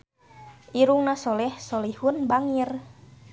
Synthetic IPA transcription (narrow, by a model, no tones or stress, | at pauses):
ʔiɾuŋnasolɛhsolihunbaŋir